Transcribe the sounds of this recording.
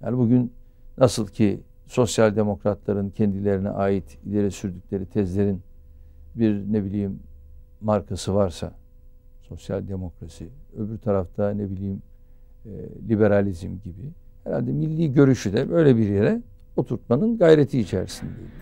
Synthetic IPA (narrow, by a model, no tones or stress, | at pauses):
ja̰nbuɟyn | nasɯlˠcʰi | so̞sjalʲd̪e̞mo̞kɾat̪ʰlˠaɾɯncʰɛnd̪ilʲe̞ɾinɛ̰ʔaːjit̪ilʲe̞ɾɛsyɾd̪ycʰʲlʲe̞ɾit̪ʰɛzlʲe̞ɾin | biɾnebilʲiːmː | aɾkʰasɯvaɾsa̰ | so̞sja̰lʲd̪e̞mo̞kɾasiøbyɾt̪ʰaɾaft̪ʰanebilʲiːm | lʲibe̞ɾalʲizmɟibi | hɛɾa̰lʲd̪ɛmilʲːiːɟø̞ɾyʃyd̪ɛbø̞jlʲɛbiɾje̞ɾɛ | ot̪ʰuɾt̪̚manɯnɡajɾe̞t̪ʰiːt͡ʃʰæ̰ɾsind̪eji